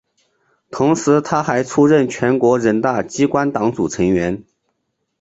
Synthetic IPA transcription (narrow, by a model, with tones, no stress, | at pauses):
t̪ʰʊ˧˥ŋʂɻ̩˧˥t̪ʰa˥xa˧˥ɪʈ͡ʂʰu˥ɻə˥˩nt͡ɕʰɥɛ˧˥nkwɔ˧˥ɻə˧˥nt̪a˥˩t͡ɕi˥kwa˥nt̪ɑ˧˥ŋt͡su˨˩ʈ͡ʂʰɤ˧˥ŋɥɛ˧˥n